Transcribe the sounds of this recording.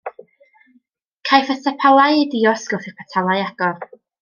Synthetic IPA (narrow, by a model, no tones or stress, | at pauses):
kʰajfəsapʰalˠajdiɔsɡ̥ɔwθɛpʰatʰalˠajaɡ̥ɔr